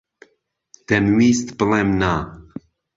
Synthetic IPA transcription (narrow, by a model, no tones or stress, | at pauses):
d̪̥ɛnwiːst̪bɨlemna